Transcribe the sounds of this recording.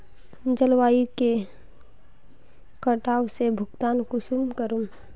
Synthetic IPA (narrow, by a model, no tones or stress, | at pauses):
d͡ʒəlwaːike | kəʈaːwsebʱʊɡt̪aːnkʊsumkəɾum